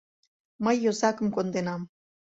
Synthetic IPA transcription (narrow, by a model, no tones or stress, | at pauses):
məjːozɑkəmkond̪enɑm